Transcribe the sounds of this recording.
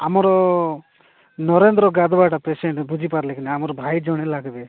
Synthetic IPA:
amɔɾɔ | nɔɾend̪ɾɔɡad̪ʋaʈapeseɳʈbud͡ʒʱipaɾlekinɛamɔɾɔbʱajd͡ʒɔɽ̃elaɡbe

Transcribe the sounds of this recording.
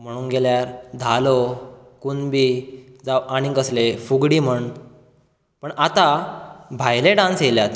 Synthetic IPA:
m̤əɽ̃uːnɡeljaɾd̪ʱalo | kunbiːd͡zaʋaɽ̃ikəslefuɡɽiːm̤əɳ | pəɳat̪abʱajleɖãnsɦeljat̪

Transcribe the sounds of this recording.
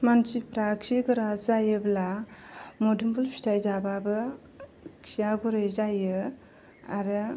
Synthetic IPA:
mansipɾaksiɡɯɾazajɯbla | modumbulpʰi̥tʰajzababɯ | kʰijaɡuɾɯjzajɯ | a̰ɾɯ

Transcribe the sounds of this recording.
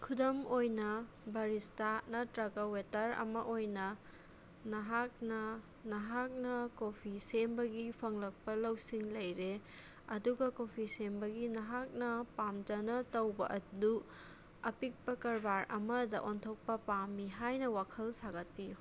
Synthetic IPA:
kʰudɐmojnɐ | bɐɾistanɐtɾɐɡɐwetɐɾɐ̰mɐʔojnɐ | nɐɦak̚nɐ | nɐɦak̚nɐkopʰisembɐɡipʰɐŋlɐk̚pɐlɐwsiŋlɐjɾe | ɐduɡɐkopʰisembɐɡinɐɦak̚nɐpamd͡ʒɐnɐtɐwbɐʔɐdu | ɐpik̚pɐkɐɾbaɾɐ̰mɐdɐ̰ʔontʰok̚pɐpamːiɦajnɐwakʰɐlsaɡɐt̚piju

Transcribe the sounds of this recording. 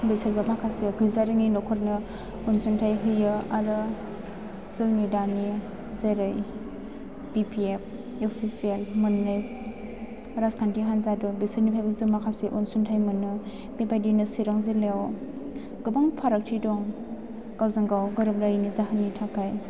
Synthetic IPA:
besaɾbamakʰaseɡɯjzaɾɯŋinɔkʰɔɾnɯ | unsuntʰajɦɯjɯaɾɯ | zɯnidani | zeɾɯj | pipʰiep̚ | epʰipʰelmɯnːɯj | ɾaskʰantiɦanzadɔbisɯɾnipʰajbɯzɯmakʰaseʔunsuntʰajmɯnɯ | bebajdinɯsiɾaŋzelew | ɡɯbaŋpʰaɾak̚tʰidɔŋ | ɡ̥awzaŋɡawɡɯɾɯbɾajinizaɦanːitʰakʰaj

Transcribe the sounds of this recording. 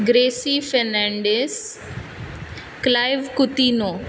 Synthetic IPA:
ɡɾeːsifɛɾnɛ̃ɳɖes | klaːɪʋkʊt̪iːnoː

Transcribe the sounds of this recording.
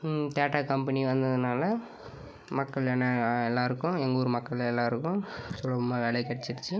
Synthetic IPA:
t̪eːʈaːkɐmpɐniʋɐnd̪ɐðɯnaːlɐ | mɐkːɐɭɛnɐɛlːaːɪɾɯkːʊ̃ɛŋɡoːɾɯmɐkːɐɭɛlːaːɪɾɯkːʊ̃sɔlːɐɐmaʋeːɽɐkɐɽɛt͡ʃːɪɾɯt͡ʃːɯ

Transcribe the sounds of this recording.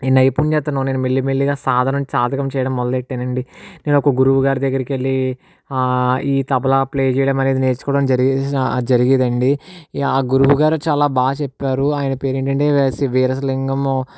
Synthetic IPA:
inːɐjpuːnt͡ʃɛːt̪ːunːane̞ːnumelːimelːiɡaːsaːd̪ʱaːnɐmt͡ʃaːd̪ʱɐkɐmt͡ʃɛːjɐɽɐmːɔd̪ɐleʈːenɐɳɖine̞ːnɔkɐɡuɾuʋuɡaːɾid̪ɐɡːɐɾɐkielːi | iːt̪ɐbɐlɐple̞ːd͡ʒɛjɽɐmɐneːd̪ine̞ːɾt͡ʃu̥kɔːɽaːnd͡ʒɐɾd͡ʒɐɾiɡid̪ɐɳɖiaːɡuɾuʋuɡaːɾut͡ʃaːlaːbaːɡɐt͡ʃɛpːaːɾuaːjɐnɐpeːɾeɳʈɐɳʈe̞ːsiʋeːɾɐsliŋɡɐm

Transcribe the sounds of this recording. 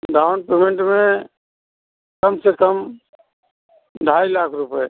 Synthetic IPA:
ɖaːʊnpeːmẽɳʈmẽ | kəmsekəm | ɖʱaːilaːkʰɾʊpəe

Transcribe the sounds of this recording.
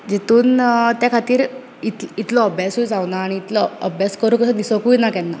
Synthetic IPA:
d͡ʑet̪uːnt̪jakʰat̪iːɾ | it̪it̪lɔəbʱjasuːjd͡zawnaːɽ̃iːt̪lɔəbʱjaskəɾukəsəd̪isɔkuːjnakɛnːa̰

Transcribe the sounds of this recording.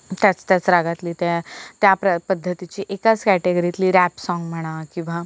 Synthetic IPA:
t̪jat͡st̪jat͡sɾaɡat̪liːt̪at̪japɾəpəd̪ʱːət̪it͡ɕiːʔekat͡skæʈeɡəɾit̪liːɾæpsɔŋɡm̤əɽ̃akĩw̃ʋa

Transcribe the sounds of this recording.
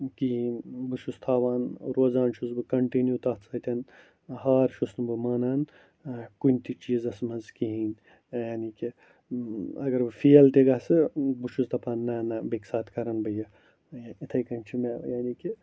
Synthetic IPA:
kiinbɨʃust̪ʰaːʋaːnɾoːzaːnʃuzbɨkɐɳʈinjut̪ɐːt̪sɐt̪ʲɐn | ɦaːɾʃusnɨbɨmaːnaːn | kunʲt̪it͡ʃiːzɐsmɐnzkiɦiːn | jaːniki | ɐɡɐɾbɨfiɐlt̪eɡɐsɨbuʃust̪ʰɐpaːnːɐːnɐbeksaːt̪kɐɾɐnbɨjɐ | jait̪ʰɐjkɐnʲt͡ʃʰimejaːniːki

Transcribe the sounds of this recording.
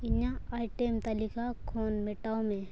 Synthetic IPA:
iɲãaiʈemt̪alikakkʰoːnmeʈaomẽ

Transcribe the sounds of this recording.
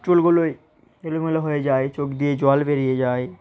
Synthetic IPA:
t͡ʃulɡuloe | elomeleɦoed͡ʑaet͡ʃokd̪ied͡ʑoalbeɾijed͡ʑaːe

